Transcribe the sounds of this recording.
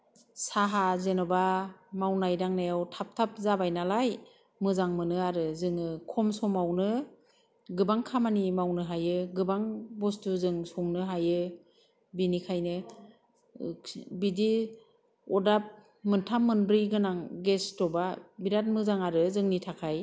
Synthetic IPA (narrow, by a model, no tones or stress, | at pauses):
saɦazenɔbamawnajdaŋnajawtʰap̚tʰap̚zabajnalaj | mɯzaŋmɯnɯaɾɯzɯŋɯkʰɔmsɔmawnɯ | ɡɯbaŋkʰamanimawnɯɦajɯɡɯbaŋbɔstuzɯŋsɔŋnɯɦajɯ | binikʰajnɯ | bidi | ɔdap̚ | mɯntʰamːɯnbɾiɡɯnaŋɡestɔbabiɾat̚mɯzaŋaɾɯzɯŋnitʰakʰaj